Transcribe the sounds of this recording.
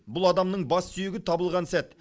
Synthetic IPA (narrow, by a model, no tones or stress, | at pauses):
bʊlˠɑd̪ɑmnəɴbɑsːʏjɪɡʲɪt̪ʰɑbəlˠʁɑnsæt̪